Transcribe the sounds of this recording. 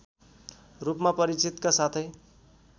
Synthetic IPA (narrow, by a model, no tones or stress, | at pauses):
rupmapʌɾit͡sit̪kasat̪ʰʌj